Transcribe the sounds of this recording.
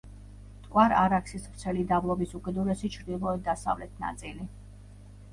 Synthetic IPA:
t̪ʼkʼwaɾaɾakʰsisvɾt̪sʰɛlid̪avlˠɔbisuɡɛd̪ɔɾɛsit͡ʃʰɾd̪ilˠɔɛd̪asa̰vlɛt̪ʰna̰t̪sʼili

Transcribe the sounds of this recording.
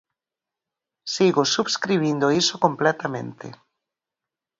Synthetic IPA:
siɣʊsuβskɾiβ̞ind̪oisokomplɛt̪amḛ̃nt̪ɪ̰

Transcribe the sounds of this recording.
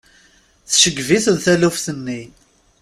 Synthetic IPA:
θʃəɡːviθəðθælufθənːi

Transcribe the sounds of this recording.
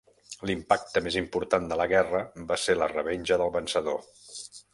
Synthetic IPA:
limpak̚t̪əmezimpuɾt̪and̪ələɣɛrəbaselərəβeɲʲʒəðəlˠβənsəðo

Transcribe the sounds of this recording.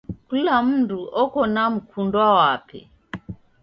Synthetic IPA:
kulam̩duʔɔkɔnam̩kʰundwawapɛ̰

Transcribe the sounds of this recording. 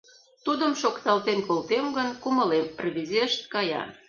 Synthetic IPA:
t̪ud̪əmʃokt̪ɑlt̪enkolt̪emɡənkuməlemrβʲizeʃt̪̚kɑjɑ̰

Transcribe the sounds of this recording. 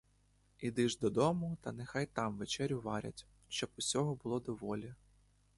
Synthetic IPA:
id̪ɪʒd̪ɔd̪ɔmʊt̪ɐnexɑjt̪ɑmʋet͡ʃɛɾʲjʊʋɑɾʲɐ̰tʲ | ʃt͡ʃɔbʊsʲɔɦɔbʊlˠɔd̪ɔʋɔlʲɐ

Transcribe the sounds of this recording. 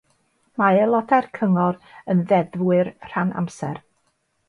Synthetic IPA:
maɛlˠɔdarkʰəŋɔɾənðɛðwɨrr̥ana̰msɛr

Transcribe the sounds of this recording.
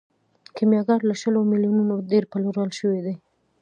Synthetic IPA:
kemjɑɡɑɾlaʃəlomiljununod̪eɾpaloɾalʃəwed̪e

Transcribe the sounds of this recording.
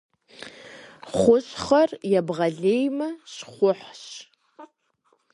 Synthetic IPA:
χʷʊɕχɐrjabʁaɮejmɐʃχʷʊħʃ

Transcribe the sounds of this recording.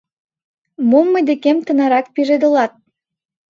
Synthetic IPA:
momːɤ̆jd̪ekemt̪ə̆nɑɾɑk̚piʒed̪ə̆lɑt̪̚

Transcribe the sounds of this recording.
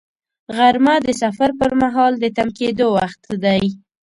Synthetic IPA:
ɣaɾmad̪əsafaɾpəɾmaɦɑld̪ət̪amked̪owaxt̪d̪aj

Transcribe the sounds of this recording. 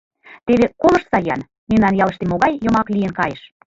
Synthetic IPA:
t̪eβekolɤ̆ʃsɑjɑ̰n | memnɑnjɑləʃt̪emoɣɑjjomɑklijə̆nkɑjeʃ

